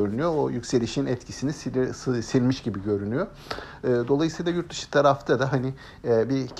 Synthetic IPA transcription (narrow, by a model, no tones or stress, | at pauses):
øɾynyjoojycʲse̞lʲiʃinɛt̪cʰisinissilʲmiʃɟibiɟøɾynyjo | ɯːd̪o̞lˠajɯsɯjlˠajuɾt̪̚ːɯʃɯ̥t̪ʰaɾaft̪ʰad̪aɦanɪ | ɛːbic